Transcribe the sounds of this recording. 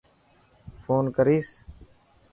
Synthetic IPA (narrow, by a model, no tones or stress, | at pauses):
foːnkəɾiːs